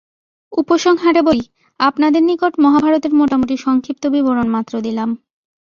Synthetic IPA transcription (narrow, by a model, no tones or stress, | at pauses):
upoʃoŋɦaʈeboɾi | apnad̪eɾnikoʈmɔɦabʱaɾot̪eɾmoʈamoʈiʃɔŋkʰip̚t̪obiboɾonmat̪ːɾod̪ilam